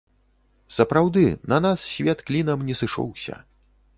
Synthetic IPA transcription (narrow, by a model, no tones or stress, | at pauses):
sɐpɾawd̪ɨnɐnassʲvʲɛt̪klʲinɐmnʲɛsɨʂɔ̰wsʲɐ̰